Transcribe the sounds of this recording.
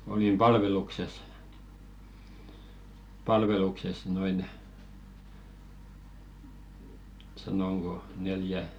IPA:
olim pɑlʋelukses pɑlʋelukses noin sɑnoŋɡ̊o neljæ

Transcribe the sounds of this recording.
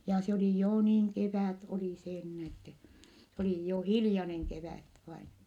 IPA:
jɑ se oli joː niːŋ keʋæˑt oli seː nin etːɛ se oli jo hilĭjɑneŋ keʋæˑt ʋɑin

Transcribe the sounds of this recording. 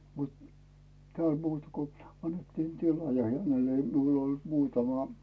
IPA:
mut tĕæˑl muːtɑ̥ ko ɑnːetːiːn tilɑ jɑ hænel ei miul ol muːtɑmɑ

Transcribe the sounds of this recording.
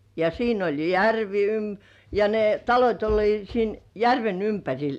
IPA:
jɑ siːn olʲ jærʋi ym jɑ ne tɑlotʲ olʲliːt siːn jærʋen ympærʲil

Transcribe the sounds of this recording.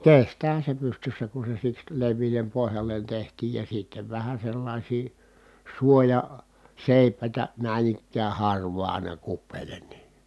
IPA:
kestæːhæ se pystysːæ ku se siks leʋˑiːlem pohjɑlːen tehtiːj jɑ sitːeʋ ʋæhæ selːɑˑisiː suojɑ seˑi̯pˑæˑitæ næˑin ikːæː hɑrʋˑɑː ɑˑi̯nɑ kupːeːlen ni

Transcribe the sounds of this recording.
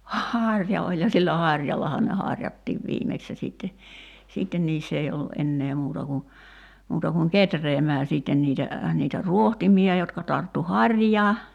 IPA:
hɑˑrʲjɑ olʲ jɑ silːæ hɑrʲjɑlːɑhɑ ne hɑrʲjɑtːiːʋ ʋiːmeks jɑ siˑtːe siːtːen niːsː ei olːu ʔenːeː muːtɑ ku muːtɑ kuŋ ketreːmæː siːtːen niːtæ niːtæ ruohtimiɑ jotkɑ tɑrtːu hɑrʲjɑː

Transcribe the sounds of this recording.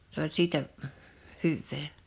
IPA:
s olʲ siːtæ hyʋːeː

